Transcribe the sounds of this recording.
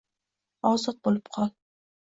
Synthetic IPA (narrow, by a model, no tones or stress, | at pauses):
ɒzɨq̚bolɪpqʰɒlˠ